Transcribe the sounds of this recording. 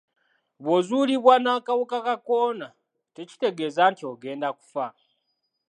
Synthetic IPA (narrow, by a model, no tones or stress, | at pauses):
βwozuːliβwanakawokakako̞ːna | te̞ci̥te̞ɡe̞ːzaːntio̞ɡe̞ːndaku̥fa